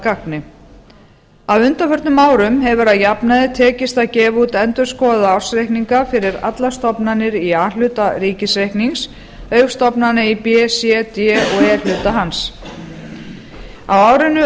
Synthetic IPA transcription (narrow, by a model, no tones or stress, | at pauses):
kaknɪ | awʏnt̪afœɾ̥t̪nʏmaːwɾʏmhɛvʏɾaðjapnaðɪt̪ʰɛːcɪst̪acɛːvut̪ɛnt̪ʏɾ̥skɔːaðaawr̥sɾejhkniŋkafɪɾɪɾa̰t̪last̪ɔpnanːɪɾiaːl̥ʏːt̪aɾiːcɪsɾejhkniŋs | œɥfst̪ɔpnanɪipɛsjɛt̪jɛɔɛlʏːt̪aɦans | a̰waːwɾɪnʏ